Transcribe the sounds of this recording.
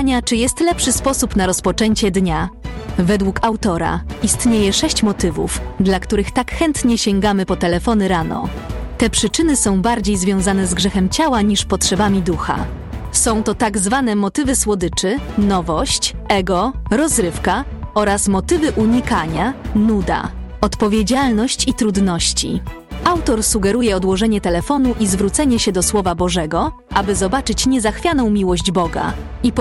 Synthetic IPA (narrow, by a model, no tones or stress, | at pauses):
ɲat͡ʂɘjɛst̪lɛpʂɘspɔsupnaɾɔspɔt͡ʂɛɲt͡ɕɛd̪ɲavɛd̪wukawt̪ɔɾa̰ist̪ɲejɛʂɛɕt͡ɕmɔt̪ɘvṵfd̪lakt̪uɾɘxt̪akxɛnt̪ɲɛɕɛŋɡamɘpɔt̪ɛlɛfɔnɘɾanɔ̰ | t̪ɛpʂɘt͡ʂɘnɘsɔ̃w̃baɾd͡ʑejzvʲjɔ̃w̃zanɛzɡʐɛxɛmt͡ɕawaɲiʂpɔtʂɛbamʲid̪uxa̰ | sɔ̃w̃t̪ɔt̪aɡzvanɛmɔt̪ɘvɘswɔd̪ɘt͡ʂɘnɔvɔɕt͡ɕɛɡɔɾɔzɾɘfkaɔɾasmɔt̪ɘvɘʔuɲikaɲanud̪a̰ | ɔt̪pɔvʲjed͡ʑalnɔɕt͡ɕit̪ɾud̪nɔɕt͡ɕḭ | awt̪ɔɾsuɡɛɾujɛɔd̪wɔʐɛɲɛt̪ɛlɛfɔnuʔizvɾut̪sɛɲɛɕɛd̪ɔswɔvabɔʐɛɡɔ | abɘzɔbat͡ʂɘt͡ɕɲɛzaxfʲjanɔ̃w̃mʲiwɔʑd͡ʑbɔɡa̰ | ip